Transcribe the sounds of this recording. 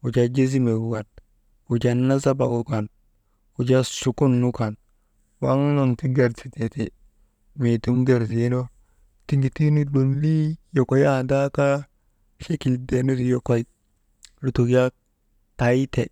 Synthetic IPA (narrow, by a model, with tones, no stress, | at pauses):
u˨d͡ʒa˨d͡ʒe˦zi˦me˨ɡu˦ɡa˨t̚ | u˨d͡ʒa˨nːa˦za˦ba˨u˦ka˨n | u˨d͡ʒa˦su˨ku˦nːu˦ka˨n | wa˦ŋ˦lo˨nti˦ɡa˨ɾsi˨te˨te˨ | me˨tu˦mɡe˨ɾsi˨e˦no˦ | ti˦ŋɡi˨ti˦ni˦do˨nli˦jo˨ko˨ja˦˨da˦ka˦ | ʃe˦ki˨lde˨no˦ɾi˨jo˦ko˦˨i˨ | lu˦tu˨kja˦ | ta˨i˦te˨